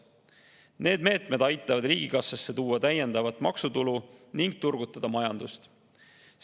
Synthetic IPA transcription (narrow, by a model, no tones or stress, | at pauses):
ne̞ːd̪̥me̞ːt̪me̞d̪ɑjt̪ːˑɑvɑd̪riːɡ̥ikɑsːɑsːe̞t̪uːɑt̪æje̞nd̪̥ɑvɑt̪ːˑmɑksut̪uluniŋɡ̥t̪urɡ̥ut̪ːˑɑd̪̥ɑmɑjɑnd̪ust̪